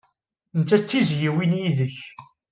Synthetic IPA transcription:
nt͡sːæt͡sːizjiwinjiðəç

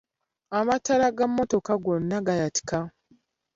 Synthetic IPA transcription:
amatːaɾaɡamːo̞to̞kaɡo̞nːaɡajati̥ka

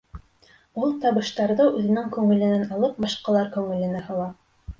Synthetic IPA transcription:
ulˠt̪ɑβɤ̆ʃt̪ɑɾðɤʔʉðɘ̆nɘŋkʉŋɘ̆lɘ̆nænɑlˠɤp̚bɑʃqɑlˠɑɾkʉŋɘ̆lɘ̆næhɤ̆w̪ˠɑ

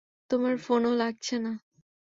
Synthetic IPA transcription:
t̪omaɾfonolaɡ̚t͡ɕʰena

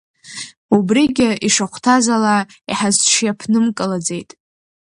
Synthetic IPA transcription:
ubriɡʲɪʔiʂaχʷtʰazalaiħazʈ͡ʂʰjapʰnɨmkʼɨlad͡ze̞jtʼ

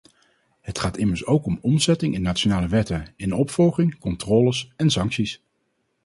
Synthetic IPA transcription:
ɦətχaːtɪməɹsowkɔmɔmzɛtɪŋʔɪnːaːt͡ʃonaːləʋɛtəɪnɔpfɔlˠχɪŋkɔntrɔːləsɛnsɑŋksis

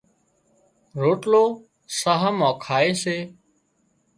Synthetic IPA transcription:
ɾoːʈloː | saːɦəmãːkʰaːeːseː

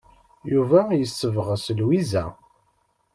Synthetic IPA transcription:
juvæjəsːəvʁəsəlwizæ̰

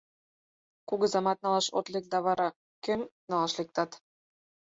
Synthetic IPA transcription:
kuɣɤ̆zɑmɑt̪̚nɑlˠɑʃo̰t̪lek̚d̪ɑβɑɾɑ | kɘ̆mnɑlɑʃlek̚t̪ɑt̪

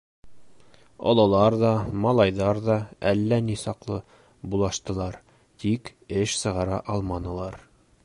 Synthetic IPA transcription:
ɒ̰lˠɑlˠɑɾðɒmɒlˠɑjðɑɾðɒælːænisɑqlˠɤ | bulˠɑʃt̪ɤ̆lˠɑɾ | t̪ikɘʃsɤ̆ʁɑɾɑ̰ʔɒlˠmɑnɤ̆lˠɑɾ

